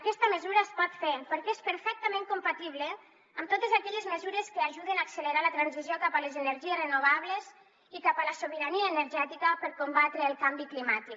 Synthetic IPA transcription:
akɛst̪əməzuɾaespɔt̪fepəɾkɛespəɾfɛk̚t̪əmẽŋkumpat̪iβle | amt̪ot̪ezakɛʎezməzuɾeskəaʒuðenaːksələɾalət̪ɾanzizjokapalezenəɾʒierenoβaβ̞lez | ikapalasoβəɾaniaːnəɾʒɛt̪ikəpəɾkumbat̪ɾeːlˠkambiklimat̪ik

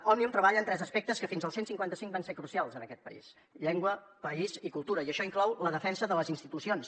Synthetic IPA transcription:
ɔmiumt̪ɾəβaʎəːnt̪ɾɛzəspɛk̚t̪əskəfinzəlˠsensiŋkwant̪əsiŋkbansekɾusialˠzənəkɛt̪̚pəḭs | ʎeŋɡwə | pəizikulˠt̪uɾəiəʃɔiŋklɔwləðəfɛnsəðələzinst̪it̪usions

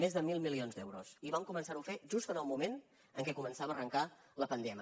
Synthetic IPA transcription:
mezðəmilˠmilionzd̪ɛwɾusiβamkumənsaɾufeʒust̪ənəlˠmumen | əŋkɛkumənsaβəːrəŋka | ləpənd̪ɛmi

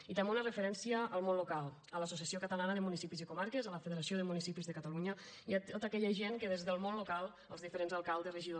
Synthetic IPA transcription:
it̪əmbeunərəfəɾɛnsiəʔːlˠmõnlukalˠ | ələsusjasiokət̪əlanəðəmunisipizikumaɾkəzələfəðeɾasioðəmunisipizðəkat̪aluɲəiat̪ot̪əkɛʎəʒeŋkəðezðəlˠmonlukalˠ | əlˠzðifəɾenzalˠkalˠd̪əsrəʒiðo

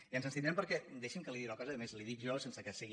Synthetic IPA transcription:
iənzənsinɛmpəɾkɛd̪eʃimkəliðiɾakɔzəðəmezliðikʒɔsensəkəsiɣi

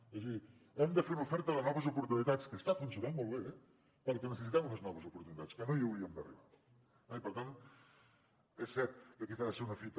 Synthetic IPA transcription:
əzi | emd̪əfeɾunəufɛɾt̪əðənɔβəzupuɾt̪unit̪at͡skəst̪afunsijunanmolˠβeɛ | kɔ̃ɾk̪ənəsəsit̪ɛmunəznɔβəzupuɾt̪unit̪at͡skənoiəwiəmd̪ə̰rḭβa | aipəɾt̪an | esːɛɾt̪kəkiθaðəseɾunəfit̪ə

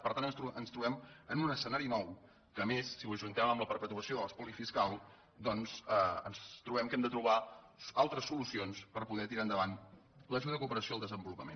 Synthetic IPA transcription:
pəɾt̪anənst̪ɾuənst̪ɾuβɛmənunəsənaɾinɔw | kəːmesːiwəʒunt̪ɛməmləpəɾpət̪uəsioðələspulifiskalˠ | d̪ɔnsɛənst̪ɾuβɛmkɛmd̪ət̪ɾuβaalˠt̪ɾəsːulusionspəɾpuðɛt̪iɾaənd̪əβan | ləʒuðəðəkupəɾəsiolˠd̪əzəmbulupəmen

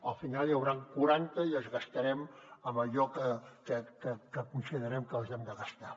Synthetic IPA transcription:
əlˠfinalˠjəwɾaŋkuɾant̪əiəzɣəst̪əɾɛməmbəʎɔkəkəkəkəkunsiðəɾɛmkəlˠzɛmd̪əɣəst̪a

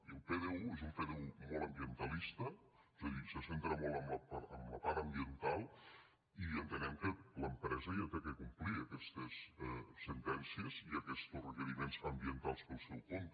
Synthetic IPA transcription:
iəlˠpeðeuezumpeðeumɔlˠəmbiənt̪əlist̪ə | ezəðisəsent̪ɾəmɔlˠəmləpaəmləpaɾəmbiənt̪alˠ | iənt̪ənɛmkələmpɾɛzəjat̪ekɛkumpliəkɛst̪əsɛsənt̪ɛnsiəziəkɛst̪osrəkəɾimenzəmbiənt̪alˠspəlˠsɛwkont̪

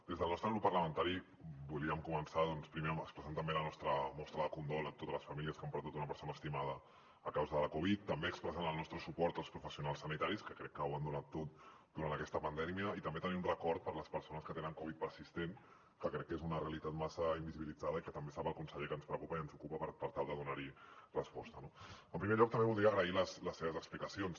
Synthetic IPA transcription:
d̪̥ezðəlnɔst̪ɾəɣɾupːəɾləmənt̪aɾi | buliəmkumənsaðɔnspɾimeəməkspɾəsant̪əmbelənɔst̪ɾəmɔst̪ɾəðəkund̪olət̪ot̪əzləsfəmiliəskampəɾðut̪unəpəɾsonəːst̪imaðəː | kawzəðələkuβ̞it̪ːəmbeəkspɾəsanəlˠnɔst̪ɾəsupɔɾt̪əlˠspɾufəsiunalˠsːənit̪aɾiskəkɾɛkːəwand̪unat̪ːot̪̚ | d̪uɾant̪əkɛst̪əpənd̪ɛmiəit̪əmbet̪əniunrəkɔɾt̪̚pəɾləspəɾsonəskət̪enəŋkoβit̪̚pəɾsist̪en | kəkɾɛkːezunəreəlit̪at̪masəimbiziβilid͡zaðəikət̪əmbesapəlˠkunsəʎekənspɾəkupəiənzukupəpəɾpəɾt̪alˠd̪əðunaɾirəspɔst̪ənoəmpɾimeʎɔk̚t̪əmbeβulˠd̪ɾiəɣɾəiləsləsːeβəzəksplikəsions

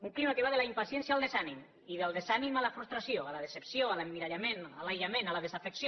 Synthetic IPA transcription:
uŋklimak̪eβaðelaimpasjɛnsjalˠd̪esanim | iðelˠd̪ezanimalafɾust̪ɾasjoalað̞esepsjoalamːiɾaʎamenalajʎamẽnalað̞ezafeksjo

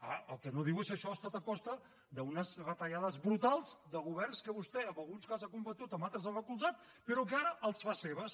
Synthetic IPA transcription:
a̰əlˠkənoðiwesəʃɔast̪at̪əkɔst̪ə | d̪əunəzrət̪əʎaðəzβɾut̪alˠzd̪əɣuβ̞ɛrnskəβust̪ɛəmbəlˠɣunskazakumbət̪ut̪əmbalˠt̪ɾəzaβəkulˠzat̪̚ | pəɾɔk̬əaɾəʔəlˠsfaseβəs

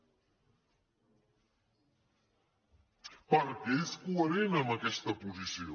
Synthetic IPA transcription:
pɐɾkeskuɐɾenamakɛst̪ɐpuzisio

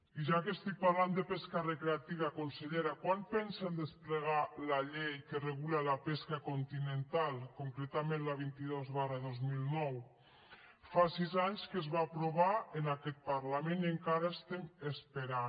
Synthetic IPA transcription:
iʒakest̪ik̚paɾland̪epeskarekɾeat̪iβ̞akonseʎeɾakwanpɛnsand̪espleɣ̞alaʎejkereɣulalapeskakont̪inent̪alkoŋkɾet̪amẽnlaβ̞int̪iðozβaraðozmilˠnɔw | fasizaɲskezβaːpɾoβ̞aenakɛt̪̚paɾlameneŋkaɾaest̪emespeɾa

